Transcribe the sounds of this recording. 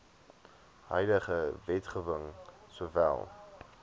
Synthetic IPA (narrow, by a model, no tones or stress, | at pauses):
hœ̰jdəχəvɛtχəvəŋsuəvæ̰lˠ